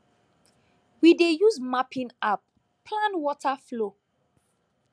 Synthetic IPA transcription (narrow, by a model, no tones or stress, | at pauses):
widejuzmapĩnap̚ | pʰlãnwɔtaflo